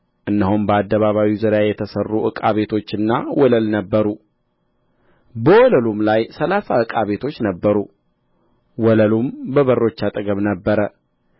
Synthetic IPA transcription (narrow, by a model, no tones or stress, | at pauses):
ʔɨnːɨɦumbəad̪ːəβaβawizəɾjajɛt̪ʰəsərːuʔɨkʼaβe̞t̪ʰo̞t͡ʃːɨnːawɔləlnəbːəɾu | bəwɔləlumlajsəlasaɨkʼaβe̞t̪ʰo̞t͡ʃːnəbːəɾu | wɔləlumbəβərːo̞t͡ʃːat̪ʼɨɡəβnəbːəɾə